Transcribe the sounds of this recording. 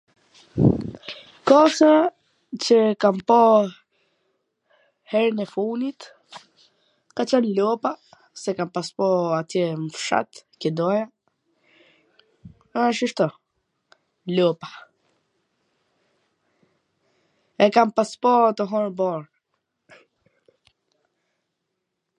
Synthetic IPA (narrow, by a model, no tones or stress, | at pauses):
kɔsa | t͡ɕəkampɔ | hɛɾnɛfunit̪ | kat͡ʃənlɔpa | sɛkampaspɔat̪jɛməfʃa̰t̪kɛd̪ɔja | aʃəʃt̪ɔ | lɔpḁ | ɛkampaspɔt̪əɦɔɾbɔɾ